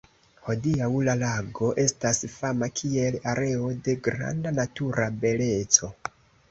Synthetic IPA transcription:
ho̞diaulalaɡo̞ʔe̞stasfamakʰie̞laɾʔe̞o̞de̞ɡɾa̰ndanatuɾabe̞le̞t͡so̞

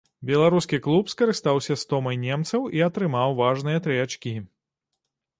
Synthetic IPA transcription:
bʲɛlˠaɾuskʲiklˠupskɐɾɨst̪awsʲɐst̪ɔmɐjnʲɛmt̪sɐwiɐt̪ɾɨmawvaʐnɨjɐt̪ɾɨjat͡ʂkʲi

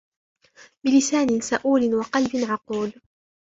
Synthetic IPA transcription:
bɪlɪsaːnɪnsaʔuːlɪnwɑqɑlbɪnʕɑquːl

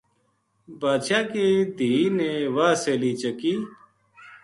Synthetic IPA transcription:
baːʃaːkeːd̪ʱiːneːʋaːseːliːt͡ʃəkiː

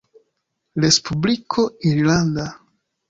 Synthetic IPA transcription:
ɾespublikʰo̞iɾlanda

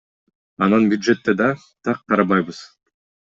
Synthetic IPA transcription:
ɑnɑnbʲjud̪ʒe̞t̪ːe̞d̪ɑ | t̪ʰɑqːɑɾɑβɑjβɯz̥

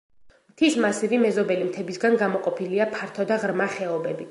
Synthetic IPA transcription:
mt̪ʰismasiɾimɛzɔbɛlimt̪ʰɛbisɡanɡamɔqʼɔpʰiliapʰaɾt̪ʰɔd̪aʁɾmaχɛɔbɛbi

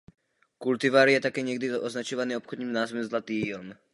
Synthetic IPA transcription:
kult̪iʋaːɾijɛt̪akɛːɲɪɛɡd̪izɔʔɔznat͡ʃɔʋaniːɔpxɔd̪ɲiːmnaːzmɛslat̪iːlm

